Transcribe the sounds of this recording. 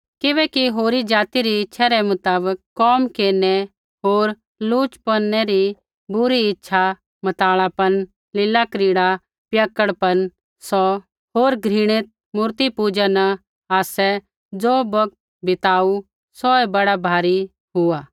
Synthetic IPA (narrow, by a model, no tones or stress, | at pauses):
kɪβɛːkiɦoːɾid͡ʒaːt̪iɾiɪtːʃʰaɾɛmʊt̪aːbəkːɔːmkeːɾnɛ | ɦoːɾ | luːt͡ʃpənːɛɾi | bʊɾiɪtːʃʰa | mɐt̪aːɭapɐn | lɪlakɾiːɽa | pjəkːəɽpɐn | sɔ | ɦoːɾɡʱɾɪɽ̃ɪt̪̚ | muːɾt̪ipuːd͡ʒanɐ | aːsɛ | d͡zoːbɐk̚t̪̚ | bɪt̪aːu | sɔɛbɐɽabʱaːɾi | ɦʊaː